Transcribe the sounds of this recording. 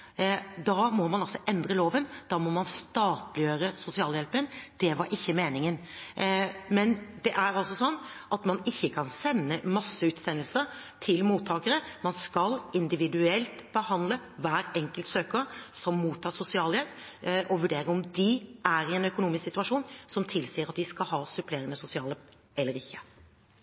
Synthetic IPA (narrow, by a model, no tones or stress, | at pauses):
d̪ɑmɔmɑnɑlsɔʔɛnd̪ɾəloːʋənd̪̥ɑːmɔmɑnst̪ɑːt̪lɪjøːɾəsʊsɪɑːljɛlpənd̪̥ɛʋɑɾʔɪçːəmeːnɪŋən | mɛnd̪ɛʔæɾɑlsɔsɔnː | ʔɑt̪mɑnɪçːəkʰɑnsɛnːəmɑsːəʉːt̪sɛnəlsəɾ | t̪ʰɪlmuːt̪ʰːɑːkəɾəmɑnskɑlɪnd̪ɪʋɪd̪ʉɛlt̪b̥əhɑnd̪lə | ʋæːɾɛŋkəlt̪søːkəɾsɔmːuːt̪ʰːɑːsʊsɪɑːljɛlp | ʔɔʋʉɖeːɾəɔmd̪ɪʔæɾɪɛnœkʊnuːmɪsksɪt̪ʉɑʂuːnsɔmt̪ʰɪlsiːəɾɑt̪d̪ɪskɑlɦɑːsʉpleːɾənəsʊsɪɑːlə | ɛlːəɾɪçːə̥